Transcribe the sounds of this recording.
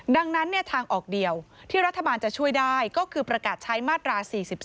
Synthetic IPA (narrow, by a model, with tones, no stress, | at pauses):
da˧ŋna˦˥nːɯ˥˩ɐt̪ʰaː˧ŋʔɔː˨˩k̚di˨˩əwt̪ʰiː˥˩ɾa˦˥t̪ʰːa˧baː˧nt͡ɕa˨˩ʔt͡ɕʰu˥˩əjdaː˥˩jkɔː˥˩kʰɯː˧pɾa˧kaː˨˩t̪̚t͡ɕʰa˦˥jmaː˥˩t̪ɾaː˧siː˨˩si˨˩p̚